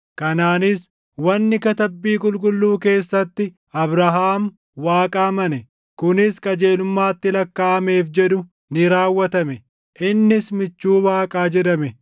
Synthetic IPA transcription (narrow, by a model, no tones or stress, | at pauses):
kɐnaːnɪs | wɐnːɪkɐt̪ɐbːiːkʼʊlkʼʊlːuːke̞ːsːɐt̪ːɪ | ɐbɾɐɦaːm | waːkʼaːmɐnɛ | kʊnɪskʼɐd͡ʒe̞ːlʊmːaːt̪ːɪlɐkːaːɐme̞ːfd͡ʒɛᶑ̪ʊ | nɪɾaːwːɐt̪ɐmɛ | ʔɪnːɪsmɪt͡ʃːuːwaːkʼaːd͡ʒɪɾɐmɛ